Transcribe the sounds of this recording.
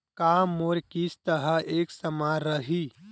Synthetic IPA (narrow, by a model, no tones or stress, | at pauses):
kaːmːoːɾkist̪əɦəeːksəmaɾəɦiː